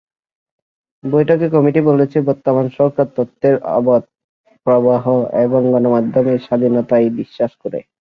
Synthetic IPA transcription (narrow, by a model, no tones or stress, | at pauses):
bojʈʰokekɔmiʈibolet͡ɕʰebɔɾt̪ːomansɔkat̪ːɔt̪ːeɾɔ̰bot̪̚ | pɾɔbaɦoeboŋɡɔnomad̪ʱːomeʃad̪ʱinɔt̪ajbiʃːaʃkoɾḛ